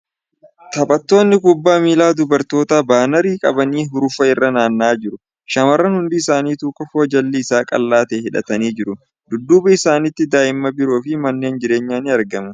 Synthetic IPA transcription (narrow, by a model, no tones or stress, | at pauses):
t̪ɐbʼɐt̪ːo̞ːnːɪkʊbːaːmiːlaːd̪ʊbɐɾt̪o̞ːt̪aːbaːnɐɾiːkʼɐ̰bɐniːɦʊɾʊfɐɪrːɐnaːnːaːd͡ʒɪɾʊ | ʃɐmɐrːɐnhʊnd̪ɪɪsaːniːt̪uːkːɔfoːd͡ʒɐlːɪɪsaːkʼɐ̰lːaːt̪ɛːhɪᶑɐ̰t̪ɐniːd͡ʒɪɾʊ | d̪̥ʊd̪ːuːbɐɪsaːnɪt̪ːɪd̪aːʔɪmːɐbɪɾoːfɪmɐnːeːnd͡ʒɪɾe̞ːɲːaːnɪɐɾɡɐmɐ